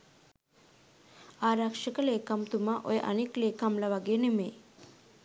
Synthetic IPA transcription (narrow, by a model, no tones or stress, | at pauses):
aːɾakʂəkəleːkamt̪umaʔojeʔa̰nikleːkamlɐʋaɡeːnemeː